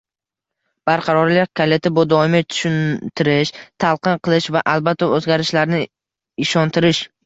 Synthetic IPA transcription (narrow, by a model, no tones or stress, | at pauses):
b̥aɾqʰɑɾɒɾlɪkʲʰale̞t̪ʰɪbod̪ɒɪmɪt̪ʰʊ̥ʃʊnt̪ʰɪɾɪʃt̪ʰalˠqʰɨnqʰɨlˠɪʃvaʔalbat̪ʰːaozɡʲaɾɪʃlaɾnɪ | ɪʃɒnt̪ʰɪɾɪʃ